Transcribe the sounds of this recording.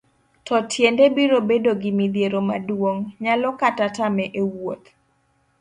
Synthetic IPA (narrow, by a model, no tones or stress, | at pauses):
tɔtʰjendebiɾobedoɡɪmid̪jeɾomadwoŋɲalɔkatatamɛʔewot̪̚